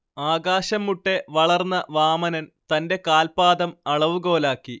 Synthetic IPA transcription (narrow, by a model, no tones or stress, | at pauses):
aːɡaːɕɐmːuʈːe̞ʋɐɭɐrnːɐʋaːmɐnɐnt̪ɐnde̞kaːlpaːd̪ɐmɐɭɐʋuɣo̞ːlaːkːi